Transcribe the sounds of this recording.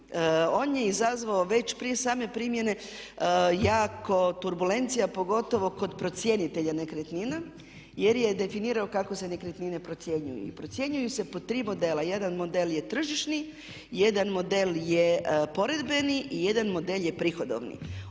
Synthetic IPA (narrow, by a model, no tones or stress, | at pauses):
oːnje̞izazʋaoʋe̞t͡ɕpɾiesaːme̞pɾimje̞ne̞ | jaːko̞t̪uɾbule̞nt̪sijapo̞ɡo̞t̪o̞ʋo̞ko̞d̪pɾo̞t̪sjenit̪eʎanekɾet̪nina | je̞ɾje̞d̪e̞finiːɾaokako̞se̞nekɾet̪nine̞pɾot̪sje̞ɲṵjṵḭpɾo̞t̪sje̞ɲujuse̞pot̪ɾiːmo̞d̪e̞ːlaje̞d̪anmo̞d̪elje̞t̪r̩ʒiʃni | je̞d̪anmo̞d̪e̞ljepo̞ɾe̞d̪beniʔije̞d̪anmo̞d̪elje̞pɾixod̪o̰ʋnḭ